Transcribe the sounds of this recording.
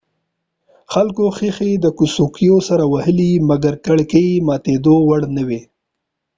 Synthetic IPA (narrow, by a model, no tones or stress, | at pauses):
xalkoxixed̪əkusukijosaɾawahəlimaɡaɾkaɽkəimɑt̪ed̪owaɽnəwe